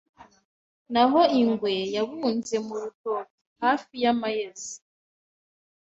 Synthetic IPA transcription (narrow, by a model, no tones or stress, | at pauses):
naɦo̞iŋɡwe̞jaβunze̞muɾutotohaːfijamajezi